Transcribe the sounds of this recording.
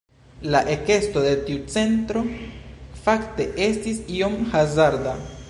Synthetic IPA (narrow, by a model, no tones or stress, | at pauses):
laʔeke̞sto̞de̞tiut͡se̞ntɾo̞ | fakte̞ʔe̞stisio̞mhazaɾda